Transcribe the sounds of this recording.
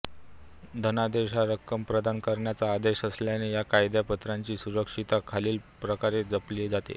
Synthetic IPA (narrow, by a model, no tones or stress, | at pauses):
d̪ʱənad̪eɕaɾəkːəmpɾəd̪ankəɾɳjat͡saːd̪eɕəsljanejakajd̪japət̪ɾaɲt͡ɕiːsuɾəkʂit̪akʰaliːlpɾəkaɾed͡zəpled͡zat̪ḛ